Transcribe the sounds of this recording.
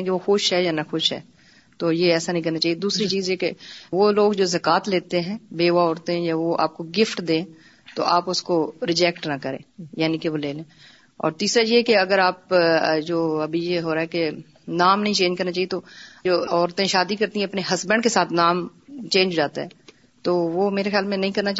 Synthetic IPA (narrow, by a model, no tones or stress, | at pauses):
keʋoxʊʃɦɛjanɐxʊʃɦɛ̰ː | t̪oːjeɛːsanə̃ɦĩkɐɾnat͡ʃaːijed̪uːsɾit͡ʃiːzjekeʋoːloːɡd͡ʒoːzɐkaːt̪leːt̪eɦɛ̃ːbeːʋaɔːɾt̪ẽɦɛ̃jaʋoʔa̰ːp̚koɡɪfʈd̪ẽː | t̪o̰ʔaːpʊskoɾɪd͡ʒɛkʈnakəɾḛ̃ːjaːnikeʋoːleːlẽː | ɔ̰ːɾt̪iːsɾajekeɐɡəɾaːpd͡ʒoːɐbʱijeɦoːɾaɦɛke | naːmnɐɦĩt͡ʃẽːɲd͡ʒkɐɾnat͡ʃaːijet̪oːd͡ʒoːɔːɾt̪ẽʃaːd̪ikɐɾt̪iɛ̃ɐpneɦɐsbə̃ɳɖkesaːt̪ʰnaːmt͡ʃẽːnd͡ʒd͡ʒaːt̪aɦɛː | t̪oːʋoːmeːɾexjaːlmɛ̃nɐɦĩkɐɾnat͡ʃ